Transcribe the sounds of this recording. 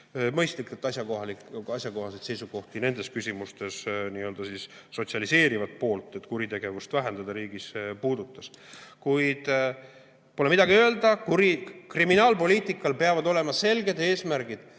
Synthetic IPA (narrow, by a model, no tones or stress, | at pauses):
mɤjst̪likːˑult̪ːˑɑsjɑkoɦɑliɑsʲjɑko̞ɦɑse̞t̪se̞jsuɡ̥o̞ht̪ine̞nd̪̥e̞skysʲimust̪e̞sniːø̞ld̪ɑsisːo̞t̪siɑlise̞ːɾivɑt̪̚po̞ːlt̪ːˑe̞t̪ːˑkuɾit̪e̞ɡ̥e̞vust̪væɦe̞nd̪̥ɑd̪̥ɑɾiːɡ̥ispuːd̪̥ut̪ːˑɑskujd̪̥ | polemid̪̥ɑɡ̥iø̞eld̪ɑkuɾikriminɑːlpo̞liːt̪ˑikːˑɑlpe̞ɑvɑd̪o̞le̞mɑse̞lɡe̞d̪e̞ːsmæɾɡ̥id̪̥